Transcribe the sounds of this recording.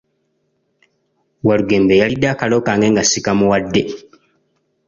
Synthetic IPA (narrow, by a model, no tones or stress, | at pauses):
waluɡeːmbejalidaːkalokaŋɡeŋɡasikamuwadːe